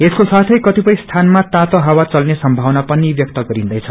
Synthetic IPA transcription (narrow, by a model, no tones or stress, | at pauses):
eskosat̪ʰʌjkʌt̪ipʌj̃st̪ʰanmat̪ãt̪oɦawat͡sʌlnesʌmbʱawnapʌnibjʌk̚t̪ʌɡʌɾind̪ʌjt͡sʰʌ̥